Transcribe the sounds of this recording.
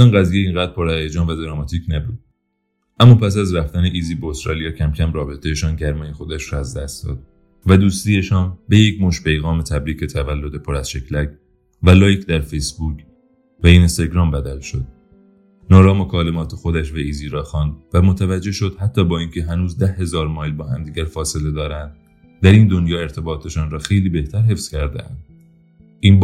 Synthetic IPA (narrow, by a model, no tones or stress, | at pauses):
ɒnɡæziːjeiːŋɡæːd̪ɾpʰoɾæɾjed͡ʒɒːnvæd̪ɾɑmɒt̪ʰiːcʰnæbuːd̪ | ʔæmːɒːpʰæs̬æzɾæft̪æneʔiːziːbeost̪ɾɒ̰ːlijɒːcʰæmcʰæmɾɒːbe̞t̪ʰejeʃɒːnɟæɾmɒːjexo̞d̪æʃɾɒæzd̪æst̪d̪̥ɒ̰ːd̪̥̚ | væd̪uːst̪iːe̞ʃɒːnbe̞jecmoʃpʰe̞jɣɒːmet̪ʰæbɾiːcʰe̞t̪ʰævælːo̞d̪e̞pʰoɾæz̥ʃe̞cʰlæc | vælɒːjcd̪æɾfejsbuːc | væiːnst̪eɡɾɒːmbæd̪ælʃo̞̰d̪̥̚ | nɒːɾɒːmo̞kʰɒːlemɒːt̪ʰexo̞d̪æʃvæiːziːɾɒːxɑːnd̪væmot̪ʰævæd͡ʒːe̞hʃo̞d̪̥hæt̪ʰːɒːbɒːinkcʰe̞ɦænuːzd̪æhhe̞zɒːɾmɒːjlbɒːɦæ̰md̪iːɟʲæɾfɒːse̞le̞d̪ɒːɾænd̪̥ | d̪æɾiːnd̪o̞njɒːe̞ɾt̪ʰe̞bɒːt̪ʰe̞ʃɒːnɾɒːxe̞jliːbe̞ht̪ʰæɾɦe̞fskcʰæɾd̪ḛæ̰nd̪̥ | ʔiːnb